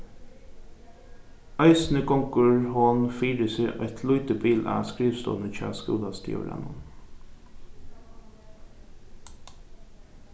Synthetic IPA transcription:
ɑɪsn̩əkɔŋkəɹhɔnfiːɾəseːʔɑɪt̪ʰlʊʏt̪əbiːlʔæ̰ːskɹiːʋst̪ɔ̰ːnəc͡çæ̰ːskṵːd̪ɑst̪ʰḭːɔ̰lʔɛ̰nɔ̰n

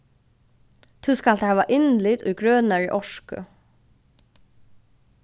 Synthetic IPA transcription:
t̪ʰuskalt̪hæːʋaʔɪnlɪt̪ʊ̰jɡɹœːnaɹə̰ʔɔʂkʊ̰

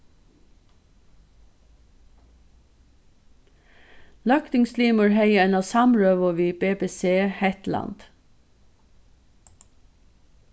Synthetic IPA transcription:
lɑkt̪ɪŋsliːməɹhœɪəɛnɑːsɑmɹøːʋɔʋiːbeːbeːseːhɛt̪lɑ̰nd̪̥

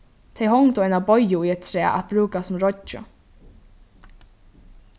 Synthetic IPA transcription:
t̪ʰɛjɦɔŋt̪ʊajnabɔjːʊujɛt̪̚t̪ʰɾɛːʔa̰t̪̚b̥ɾuːkasʊmɾɔt͡ʃʊ̰

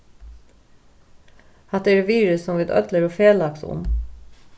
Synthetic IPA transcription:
hɑt̪eɾeʋiːɹʉsɔmʋɪd̪œ̰d̪ləɾoːfeːlɑksʊ̰m

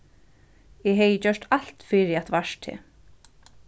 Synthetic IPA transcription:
ɛɦɛjət͡ɕœʂt̪al̥t̪fɪːɾɪat̪vaʃt̪ʰɪ̰

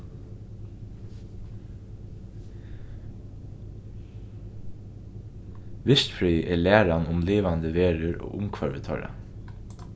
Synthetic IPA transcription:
ʋɪʃt̪fɹyːʔeːlæːɹɑnʊmleːʋɑnd̪əʋeːɹəɹo̰ːʔʊmkʰʋɑɹʋət̪ʰœɹə̰

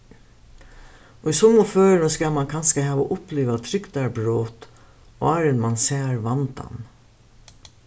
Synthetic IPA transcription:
oisɔmʊføːɾəskɑmɑnkʰɑnskəhɛːʋoʔʊpleːʋat̪ʰɾʏkd̪æɾbɾoːt̪ | o̰ɑɾənmɑnseːɾʋɑnd̪ɑ̰n

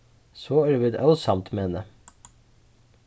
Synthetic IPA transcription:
soːɛɾʋɪd̪œlsɑmt̪meenə

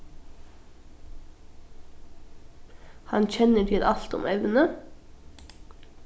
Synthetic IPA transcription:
hɑnc͡çɛnəʈʰɪlʔɑlt̪ʊ̰mɛʋnə

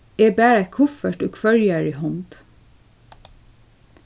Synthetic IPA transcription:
eːbæːɹækʰʊfəʈoːkʰʋœljæːɹɪhɔnd̪̥

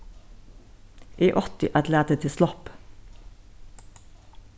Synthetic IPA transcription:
ʔiːʔɔt̪ɪʔæt̪læːt̪ət̪ʰɪslɔp

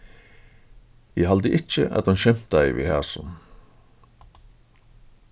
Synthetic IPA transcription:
ɪɦald̪əʔɪt͡ʃːə̰ʔa̰t̪hʊnɕɛm̥t̪a̰vḭhaːsʊn

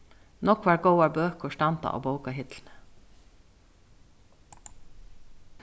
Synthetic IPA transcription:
nɔkʋɑːɾɡoʊɑbøːkʊʃʈɑnt̪ɑ̰ʔo̰ːboʊkɑhɪt̪ln̩ə

